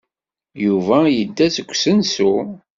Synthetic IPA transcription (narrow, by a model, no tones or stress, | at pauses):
juvæjəd̪ːæsəkʷːsənsu